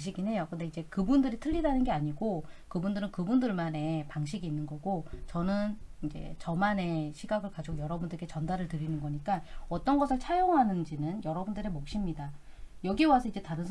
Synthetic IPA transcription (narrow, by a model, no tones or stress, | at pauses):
ɕ̬ʰiɡinɦe̞jokɯnde̞id͡ʑe̞kɯbundɯɾitʰɯʎːidanɯnɡe̞aɲiɡokɯbundɯɾɯnkɯbundɯɭmane̞paŋɕʰiɡiːnːɯnɡʌɡot͡ɕʌnɯnind͡ʑe̞̰t͡ɕʌmane̞ɕʰiɡaɡɯɭkad͡ʑiɡojʌɾʌbundɯɾeɡe̞t͡ɕʌndaɾɯɭtɯɾinɯnɡʌɲik͈aʌt͈ʌnɡʌsʰɯɭt͡ɕʰajoŋɦanɯnd͡ʑinɯnjʌɾʌbundɯɾemʌk̚ɕ͈imɲida | jʌɡiwasʰʌid͡ʑe̞taɾɯnsʰ